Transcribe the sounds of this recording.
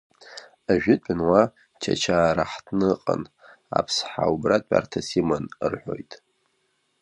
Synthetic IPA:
aʒᶣɪtʼʊnwa | t͡ʃʰat͡ʃʰaːɾaħtʰnɨqʼə̰n | apʰsħaubratʼa̰rtʰasimanrħʷᶣo̞jtʼ

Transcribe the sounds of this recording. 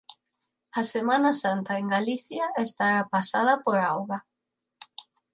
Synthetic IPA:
asemanasant̪aeŋɡaliθjaest̪aɾapasað̞apoɾawɣa

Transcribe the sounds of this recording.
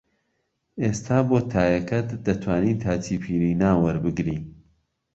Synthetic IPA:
eːst̪ʰaːboːt̪ʰaːjɐkʰɐt̪d̪ɐt̪ʰwaːniːt̪ʰaːtʰiːpʰiːɾiːnaːwɐɾbɨɡɾiː

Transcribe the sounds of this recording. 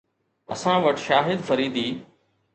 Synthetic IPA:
ɐ̰sãʋəʈʃaːɦɪd̪fɐɾiːd̪iː

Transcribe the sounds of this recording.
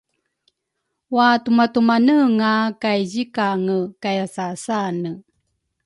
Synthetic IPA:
watumatumanəŋakajzikaŋəkajasasanə

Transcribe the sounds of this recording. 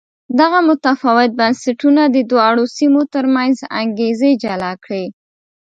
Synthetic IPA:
d̪aɣamʊt̪afɑwɪt̪̚bansaʈunad̪əd̪wɑɽosimot̪əɾmanza̰ŋɡezed͡ʒalɑkɽe

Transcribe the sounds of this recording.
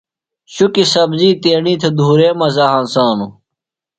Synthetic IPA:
ɕukisɐbziːt̪eːɳiːt̪ʰed̪ʱuːɾeːmɐzaːɦãnsaːnu

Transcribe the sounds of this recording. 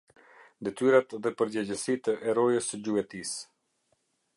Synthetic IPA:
d̪ɛt̪yɾat̪ðɛpəɾd͡ʑɛd͡ʑəsit̪əʔɛɾɔjəsəd͡ʑuɛt̪is

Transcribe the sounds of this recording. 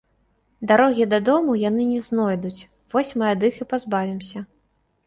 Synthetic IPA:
d̪aɾɔɣʲid̪ɐd̪ɔmujan̪ɨnʲɛznɔjd̪ut͡sʲ | vɔsʲmɨad̪ɨxɨpazbavʲimsʲɐ

